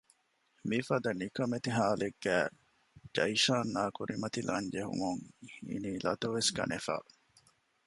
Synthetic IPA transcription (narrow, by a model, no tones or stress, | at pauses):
mifɐd̪ɐnikɐmet̪iɦaːleɡːæː | d͡ʒɐjʃaːnːaːkuɾimɐt̪ilʔɐɲd͡ʒeɦṵmuŋḭniːlɐ̰t̪oʋeskɐ̰nʔefa̰ː